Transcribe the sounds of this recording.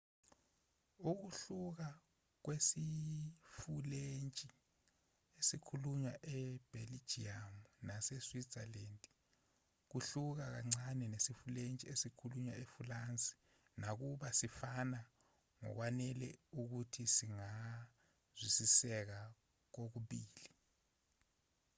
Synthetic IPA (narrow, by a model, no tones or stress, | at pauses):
uk̬uɬuk̬a | k̬wesifulent͡ʃʼi | esikʰuluɲwaʔɛb̥ʱeli̥ʒ̥iamunasɛswi̥zalendʼ | k̬uɬuk̬ak̬aŋ͡ǀanɛnesifulent͡ʃʼiesikʰuluɲwaefulant͡sʼi̥ | nak̬uɓasifana | ŋɔ̰k̬wanɛlɛuk̬utʰisiŋa | z̥wisisɛk̬a | k̬ok̬uɓiːli